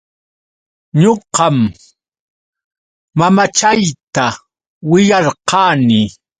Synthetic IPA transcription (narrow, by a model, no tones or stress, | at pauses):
ɲoqɑm | amat͡ʃajt̪a | wɪjɑɾqɑːnɪ